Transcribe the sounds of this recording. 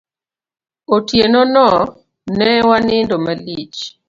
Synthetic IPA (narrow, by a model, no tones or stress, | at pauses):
otjenonɔ | nɛwanɪndomalit͡ʃ